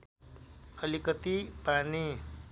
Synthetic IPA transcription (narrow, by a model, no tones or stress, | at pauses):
ʌlikʌt̪ipani